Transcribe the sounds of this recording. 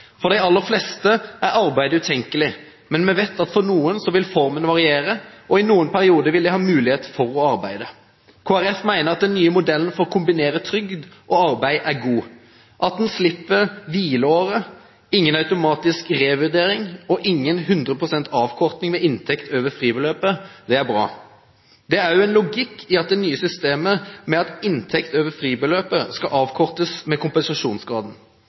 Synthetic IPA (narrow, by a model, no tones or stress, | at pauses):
fɔʁd̪æɪɑlːəɾflɛst̪əʔæɾɑʁbæɪd̪əʉːt̪ʰɛŋkəlɪ | mɛnmɛʋɛt̪ːɑt̪fɔɾnuːənsɔʋɪlfɔɾmənʋɑʁɪeːɾəʔɔɪnuːənpʰæɾɪuːd̪əʋɪlːɪhɑːmʉːlɪheːt̪fɔɾɔɑɾbæɪd̪ə | kʰoːæʁɛfmæɪnəɾɑt̪̚d̪ɛnːyːəmʊd̪ɛlən̩fɔʁkʰʊmbɪneːɾət̪ʰɾʏɡd̪ʔɔɑɾbæɪʔæɾɡuː | ʔɑt̪̚d̪nslɪpːəɾʋiːləoːʁə | ɪŋːənɑʉt̪ʊmɑːt̪ɪskʁeːʋʉʁd̪eːɾɪŋɔʔɪŋːənɦʉnd̪ʁəpʰʁʊsɛnt̪ʰɑːʋkʰɔʁt̪nɪŋmɛɪnt̪ʰɛkt̪ʰøːʋəfʁiːbəløːpəd̪ɛæbɾɑ̰ː | d̪ɛæɾjʊɛnlʊɡɪkʰːɪɑt̪̚d̪ɛnyːəsʏst̪eːməmɛɑt̪ɪnt̪ʰɛkt̪øːʋəfʁiːbəløːpəskɑʔɑːʋkʰɔʁt̪əsmɛkʰʊmpɛnsɑʂuːnsɡʁɑːd̪n̩